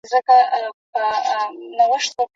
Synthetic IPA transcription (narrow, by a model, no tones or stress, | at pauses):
zəkapənawəʂt̪ok